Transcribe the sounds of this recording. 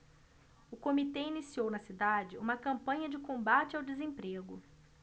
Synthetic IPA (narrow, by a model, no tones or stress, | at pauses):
ʊkomit̪einisiownɐsid̪ad͡ʒɪũmɐkɐ̃mpɐ̃ɲɐd͡ʒɪkõmbat͡ʃɪawd͡ʒɪzẽpɾeɡʊ̰